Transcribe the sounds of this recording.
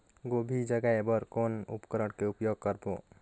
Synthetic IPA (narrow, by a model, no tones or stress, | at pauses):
ɡobʱid͡ʒəɡaebəɾkonṵpkəɾəɽkeupjoɡ̚kəɾbo̰